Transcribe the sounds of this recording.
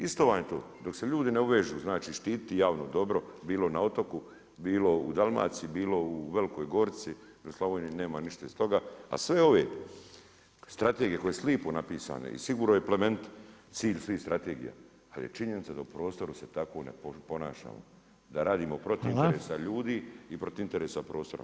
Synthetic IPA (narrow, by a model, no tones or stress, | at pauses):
ist̪oʋaːɲet̪o̰ːd̪o̞kse̞ʎuːd̪ineuʋeʒuːznaːt͡ʃiːʃt̪iːt̪t̪ijaːʋnod̪o̞bɾo̞biːlo̞nao̞t̪o̞ku | biːlo̞ud̪alˠma̰ːsibiːlo̞uʋe̞likoːjɡo̞ɾt̪si | oslˠaʋoːnine̞ːmaniʃt̪aist̪o̞ɡaa̰sʋeo̞ʋe̞̰ | st̪ɾat̪eɡiekoeesliːponapiːsa̰ːno̰ḭsiɡuːɾnojeplement̪t̪siːʎsʋiːhst̪ɾʔat̪eːɡḭja̰ | a̰ljḛt͡ʃiɲenit̪sad̪aupɾo̞ːst̪o̞ɾuse̞t̪ako̞nḛpopo̞na̰ːʃa̰ːmo̰ | d̪aɾaːd̪iːmopɾot̪ineɾeːsaʎuːd̪iːipɾot̪int̪e̞ɾeːsapɾo̞ːst̪o̞ɾa̰